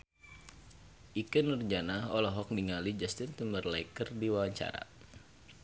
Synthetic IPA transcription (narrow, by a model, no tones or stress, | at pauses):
ʔikənːurd͡ʒanaɔlɔɦɔk̚diŋalid͡ʒast̪ɪnt̪umərlaikərdiwawaɲt͡ʃa̰ɾa̰